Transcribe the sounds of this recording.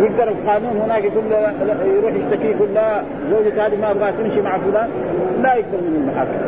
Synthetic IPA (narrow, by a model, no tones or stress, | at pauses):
jɪɡd̪ɑɾˤɪlqaːnuːnhʊnaːkjkulːjɾuːħjɪʃt̪akikʊlːa | zoːd͡ʒat̪haːd̪imaɾbaːt̪ɪmʃimaʕafʊlaːn | lajɪɡ̚d̪ɑɾˤmɪnɪlmaħakː